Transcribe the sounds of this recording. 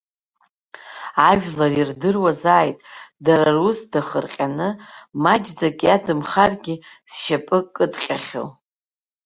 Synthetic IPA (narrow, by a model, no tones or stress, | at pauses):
aʒᶣlarirdɨrwazaːjtʼdaɾarusdaχərqʲʼanɨmad͡ʒd͡zakʼadɨmχarɡʲi | sʃapʼɨkʼːɨtʼqʲʼaχʲo̰w